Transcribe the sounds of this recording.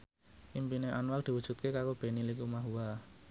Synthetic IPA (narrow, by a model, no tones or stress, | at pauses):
ʔimpineʔanwald̪̥i̤wud̥ʒ̥ṳt̪̚kekaɾob̥e̤nilikumaɦuwa